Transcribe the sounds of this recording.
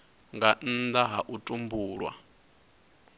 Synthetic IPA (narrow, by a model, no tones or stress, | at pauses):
ŋɡan̩d̪aɦaʔutʼumbuːɺwa̰